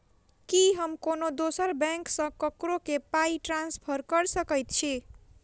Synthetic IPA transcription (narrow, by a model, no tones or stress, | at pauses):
kiɦʌmkonod̪osʌɾbãŋksʌ̃kʌkɾokepaiʈɾanspʰʌɾkʌɾsʌkʌjt̪̚t͡ʃʰi